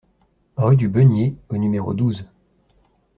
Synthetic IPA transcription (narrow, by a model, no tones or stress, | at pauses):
ʁyd̪ybənjeonymeʁo̰d̪uz